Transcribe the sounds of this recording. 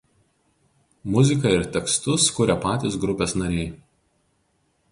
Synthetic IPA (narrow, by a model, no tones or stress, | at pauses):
mʊzʲɪk̬ɐɪɾt̪ʲɛkst̪ʊskʊɾʲɛpɑːt̪ʲɪsɡɾʊpʲeːsnɐɾʲɛɪ